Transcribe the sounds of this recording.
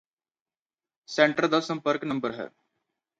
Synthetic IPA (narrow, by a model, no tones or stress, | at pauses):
sɛ̃ːɳʈəɾd̪əsə̃mpəɾknə̃mbəɾɦɛ̰ː